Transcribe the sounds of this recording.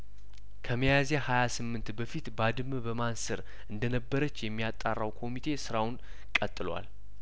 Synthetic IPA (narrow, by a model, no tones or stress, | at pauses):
kʰəməjazehajasɨmːɨnt̪bəfit̪bad̪ɨmbəmansɨɾ | ʔɨnd̪ənəbːəɾət͡ʃːjɛmːijat̪ʼːarːawkʰo̞mit̪ʰe̞sɨɾawʊn | kʼət̪ʼːɨlwa̰l